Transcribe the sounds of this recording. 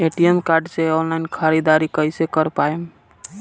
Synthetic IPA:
eʈijəmkaɾɖseonlainkʰaɾid̪aɾikəɪsekəɾpaem

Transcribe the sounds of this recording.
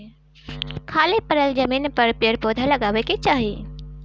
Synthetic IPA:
kʰaːlepɐɾəld͡ʒəmiːnpɐɾpɪəɾpoːd̪ʱalɐɡaːʋeket͡ʃaːɦiː

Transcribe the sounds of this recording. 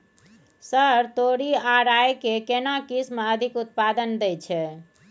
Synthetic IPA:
səɾt̪oɾiaɾaekekenakismeəd̪ʱikut̪̚pad̪ənd̪ɛt͡ʃʰɛ

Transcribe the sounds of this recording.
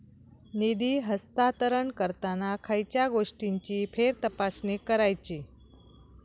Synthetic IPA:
nid̪iːɦəst̪at̪əɾəɳkəɾt̪anakʰajt͡ɕjaɡoʂʈiɲt͡ɕiːfʰeɾt̪əpasnekəɾajt͡ɕiː

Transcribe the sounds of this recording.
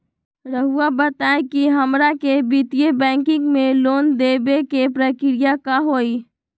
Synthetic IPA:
ɾəɦuabət̪aekiɦəmɾakebit̪ijebɛ̃ŋkɪ̃ŋɡmẽlond̪ebekepɾəkɪɾijakaɦoi

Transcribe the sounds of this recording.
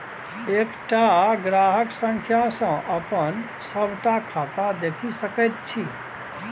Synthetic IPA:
ekʈaɡɾaɦəksə̃ŋkʰjasə̃ʔəpən | səbʱʈakʰat̪ad̪ekʰisəkət̪̚t͡ʃʰi

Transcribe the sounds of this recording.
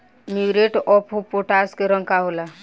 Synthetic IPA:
miwɾeʈɔpʰupoʈaskeɾə̃ŋkaɦola

